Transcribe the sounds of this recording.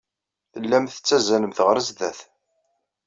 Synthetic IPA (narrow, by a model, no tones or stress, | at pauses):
θəlːæmθə̥t͡sːæzænəmθəʁɾəzðæθ